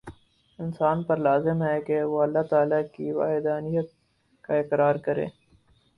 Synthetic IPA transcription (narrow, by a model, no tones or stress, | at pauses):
ɪnsaːnpɐɾlaːzɪmɦɛkewoɐlːat̪aːlakiwa̰ːɦɪd̪aːnijət̪̚ | kaɪkɾaːɾkɐɾḛ̃ː